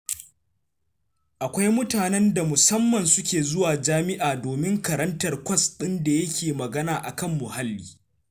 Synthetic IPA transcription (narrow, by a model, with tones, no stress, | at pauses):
ʔa˨kʷa˦jmʊ˦taː˨nɛ˦nda˨mʊ˨sɐ˦mːɐ˨nsʊ˦kʲeː˨zʊ˦waː˨d͡ʒaː˦mɪ˦ʔaː˨doː˨mɪ˦ŋkɐ˨ɾɐ˦ntɐ˨rkʷɐ˦sɗɪ˦nda˨jɐ˦kʲeː˨mɐ˨ɡɐ˦naː˨ʔa˨kɐ˦˨mːʊ˨ha˦lːḭː˦